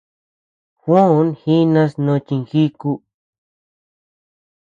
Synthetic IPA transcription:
xwã˦nxi˦nã˧snõ˧t͡ʃĩ˧ŋxi˦ku˧

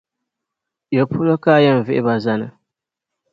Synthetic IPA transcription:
jo˨pʰʊ˦lo˦kaː˦˨ja˦m̩˨vɪ˦ʔɪ˦ba˨za˦nɨ˨

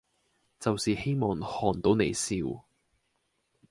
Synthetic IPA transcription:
t͡sɐ˨wsiː˨he˥jmɔː˨ŋhɔː˨˩nt̪o˨˥wne˨jsiː˨˧w

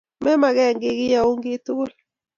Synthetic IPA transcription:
mɛ˦ma˨ɡɛ˦˨ŋɡɪ˦ɡɪ˦ja˨o˦ŋɡɪ˦t̪u˦l

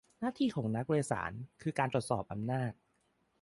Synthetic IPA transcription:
naː˥˩t̪ʰiː˧kʰɔː˩˦ŋna˦˥k̚weː˧sa̰ː˩˦nkʰɯː˧kaː˧nt̪ɾu˨˩t̪sɔː˨˩p̚ʔa˧mnaː˥˩t̪̚

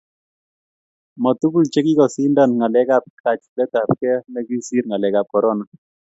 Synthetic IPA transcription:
mɔ˨tu˦ku˦lt͡ʃɛ˦ki˦kɔ˨si˦nda˦˨nŋa˨lɛ˦ka˦˨p̚kʰa˨t͡ʃlɛ˦ta˨p̚kɛ˦nɛ˦ki˦si˦ɾŋa˨lɛ˨ka˨p̚kɔ˨ɾɔ˦na˨

